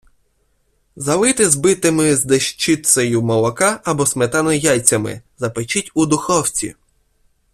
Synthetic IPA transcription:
zɐlˠɪt̪ɪzbɪt̪ɪmɪzd̪eʃt͡ʃɪt̪sɐjʊmɔlˠɔkɑɐbɔsmet̪ɑnɔjajʲt͡sʲɐmɪ̰zɐpet͡ʃɪtʲud̪ʊxɔwt͡sʲḭ

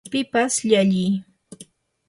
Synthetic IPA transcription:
pɪpasʎaʎɪj

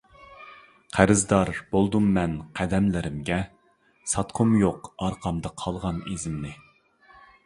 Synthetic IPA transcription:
qʰæɾɪzd̪ɑɾbolˠd̪umːɛnqʰæd̪ɛmlɪɾɪmɡʲɛ | sɑt̪qʰʊmjoqɑɾqʰɑmd̪ɑqʰɑlˠʁɑnḭzɪmnɪ

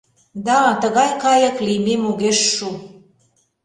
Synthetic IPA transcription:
d̪ɑt̪əɣɑjkɑjɤ̆klimemuɣeʃːu

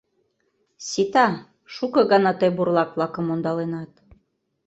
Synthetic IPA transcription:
sʲit̪ɑ | ʃukɤ̆ɣɑnɑt̪ɤjburlˠɑk̚βlˠɑkə̆mond̪ɑlenɑt̪̚

